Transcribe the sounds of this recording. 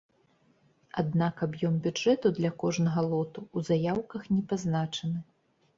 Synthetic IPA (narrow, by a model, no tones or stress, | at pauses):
ad̪̚nakabjɔmbʲud͡ʐɛt̪ud̪lʲɐkɔʐnɐɣɐlˠɔt̪uːzajawkɐxnʲɛpaznat͡ʂɐnɨ